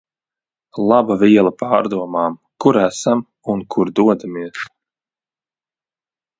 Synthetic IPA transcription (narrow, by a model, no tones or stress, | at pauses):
lˠabaviɛlˠapaːɾd̪uɔmaːmkuɾæsam | unkʰuɾd̪uɔd̪amiɛs